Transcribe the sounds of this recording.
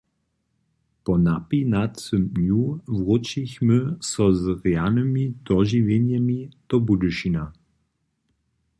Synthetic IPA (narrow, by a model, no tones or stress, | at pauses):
pɔnapinat̪sɵmnjuvʁɔt͡ʃiçməsɔzʁɛanəmid̪ɔʒivjɛnjɛmid̪̥ɔbuduʃina